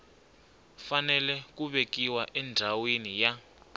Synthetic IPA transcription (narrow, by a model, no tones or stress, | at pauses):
fanɛlɛk̬uɓekiwaʔɛnd͡zʱawenija